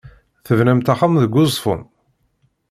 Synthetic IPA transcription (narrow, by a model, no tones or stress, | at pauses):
θəvnæmt̪aχamðəɡʷːʊzˤfʊ̰n